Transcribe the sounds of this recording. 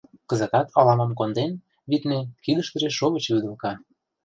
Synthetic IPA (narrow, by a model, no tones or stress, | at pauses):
kɤ̆zə̆k̪ɑt̪ʰɑlɑmɑmkond̪en | βit̪nekid̪ə̆ʃt̪ə̆ʒeʃoβə̆t͡ɕβyd̪ə̆lkɑ